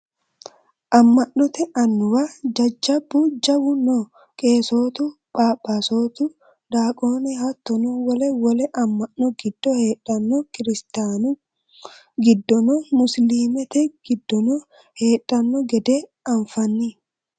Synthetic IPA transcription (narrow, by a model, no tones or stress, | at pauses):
ʔɐmːɐnːɔt̪ɛʔɐnːʊwɐd͡ʒɐd͡ʒːɐbud͡ʒɐwʊnɔ | kʼe̞ːso̞ːt̪ʊ | b̥aːbasoːt̪ʊ | d̪aːkʼo̞ːnɛhɐt̪ːɔnɔwɔlɛwɔlɛʔɐmːɐnːɔɡɪd̪̥ːɔheːᶑɐnːɔkɪɾɪst̪aːnʊ | ɡɪd̪ːɔnɔmʊsliːmɛt̪ɛɡɪdɔ | heːᶑɐnːɔɡɛd̪ɛ | ɐɱfɐnːɪ